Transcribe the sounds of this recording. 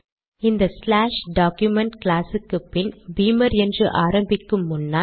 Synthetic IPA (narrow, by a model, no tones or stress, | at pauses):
ɪnd̪ɐslaːʂɖaːkjʊmɛɳʈklaːsɯkːɯpːɪnbiːmɐɾɛndrɯʔaːɾɐmbɪkːɯmːʊnːaː